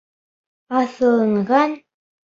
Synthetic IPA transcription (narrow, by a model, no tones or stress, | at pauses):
ɑθɤ̆lˠɤ̆ɴʁɑn